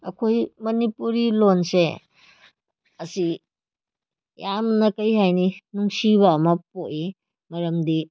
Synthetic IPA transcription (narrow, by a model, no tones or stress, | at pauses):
ɐkʰojmɐnipuɾilonse | ɐsi | jamnɐkɐjɦajninuŋsiβɐːmɐpoʔi | mɐɾɐmdi